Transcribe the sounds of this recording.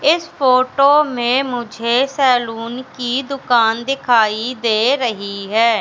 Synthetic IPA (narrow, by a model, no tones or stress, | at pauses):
ɪspʰoːʈoːmẽːmʊd͡ʒʱeːsɛːluːnkiːd̪ʊkaːnd̪ɪkʰaːid̪eːɾəɦiɦɛː